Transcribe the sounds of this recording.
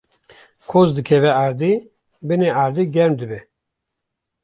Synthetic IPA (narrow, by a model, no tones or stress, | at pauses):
kʰozd̪ɨkʰɛvɛaːɾd̪i | bɨneaːɾd̪iɡɛɾmd̪ɨbɛ